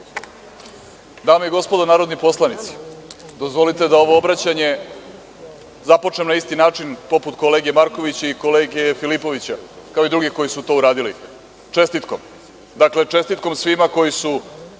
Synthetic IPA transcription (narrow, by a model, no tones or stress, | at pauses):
d̪aːmeiɡo̞spo̞d̪onaːɾod̪nipo̞slˠanit̪si̥d̪ozʋo̞lit̪e̞d̪ao̞ʋo̞obɾat͡ɕaɲe̞ | zapo̞t͡ʂnemnaist̪inaːt͡ʂinpo̞put̪ko̞le̞ːɡemaɾko̞ʋit͡ɕeiko̞leːɡefilipo̞ʋit͡ɕakaoid̪ɾuɡiko̞jisut̪o̞ːuɾaːd̪ilḭ | t͡ʂe̞st̪it̪ko̞m | d̪akle̞t͡ʂe̞st̪it̪̚ko̞msʋimako̞jisu